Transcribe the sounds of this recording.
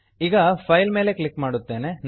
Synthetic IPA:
iːɡɐpʰɐjlme̞ːle̞klikːmaːɽut̪ːe̞ːne̞n

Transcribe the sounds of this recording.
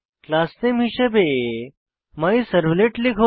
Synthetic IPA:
klaːst̪emiʃɐbe | maisɐɾʋleʈlikʰo

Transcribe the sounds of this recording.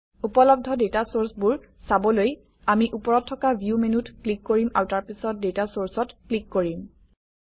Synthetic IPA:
upɔlɔb̚dʱɔdetasoɹsbʊɹ | sabɔloj | amiʔupɔɹɔtʰːɔkabʱjumenutklikːoɹimaɹtaɹpisɔt̚detasoɹsɔtklikːoɹim

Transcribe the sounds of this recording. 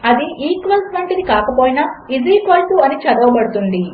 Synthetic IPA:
ɐd̪iʔiːkʋɐlsʋɐɳʈinikaːkɐpoːjinɐiziːkʋɐlsuɐnit͡ʃɐd̪ɐʋɐbɐɽut̪und̪i

